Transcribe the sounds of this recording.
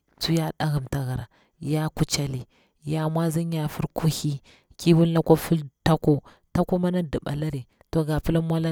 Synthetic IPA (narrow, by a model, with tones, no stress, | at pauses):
t͡su˦ja˦ɗa˦ɣa˨mta˨ɣa˨ɾa˨ | ja˦ku˦t͡ʃa˦li˨ | ja˦mwa˦zi˦ɲ˦a˨fu˦ɾku˦hi˦ | ki˦wu˦lːa˦kʷo˦fu˦lta˦ko˦ | ta˦ku˦ma˦na˦di˨ɓa̰˨la˦ɾe˨ | to˨ɡa˨pi˦la˦mwa˦la˦